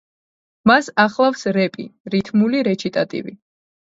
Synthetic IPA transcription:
masaχlˠafsɾɛpʼḭɾit̪ʰmuliɾɛt͡ʃʰit̪ʼat̪ʼḭvḭ

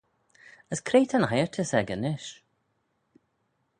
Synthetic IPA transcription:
əskʰɾeːt̪ʰənhajəɹt̪ʰəsɛɡənɪʃ

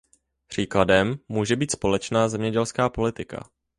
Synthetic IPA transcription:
pr̝̥iːkladɛmːuːʒɛbiːt̪spo̞lɛt͡ʃnaːzɛmɲɛɟɛlskaːpo̞lɪt̪ɪka̰

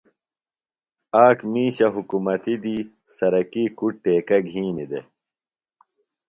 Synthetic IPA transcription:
aːkmĩːɕɐɦukumɐt̪id̪iː | sɐɾɐkikuʈ̚ʈeːkɐɡʱĩːnid̪ḛ

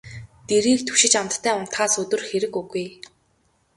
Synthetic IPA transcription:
t̪eɾiːk̚t̪ʰɵ̥ʃɪ̆t͡ɕamt̪ːʰæːʊn̥t̪χaːsɵt̪ɵ̆rxeɾɘ̆kɵɣuj

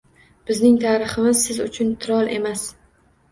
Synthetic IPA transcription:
b̥ɪznɪŋt̪ʰaːɾɨχɨmɪzsɪzʊt͡ʃʰʊnt̪ʰɪɾɒlˠʔe̞mas

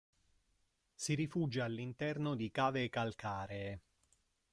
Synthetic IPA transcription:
siɾifuːd͡ʒaːlːint̪ɛrnod̪ikaːvekalkʰaːɾeː

